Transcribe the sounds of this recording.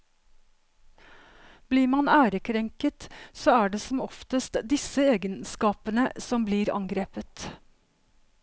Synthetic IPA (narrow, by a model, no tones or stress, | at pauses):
b̥liːɾmɑnæːɾəkʰɾɛŋkət̪soːæːɖeːsɔmɔft̪əst̪d̪ɪsəeːɡənskɑːpənəsɔmbliːɾɑ̰ŋɡɾeːpət̪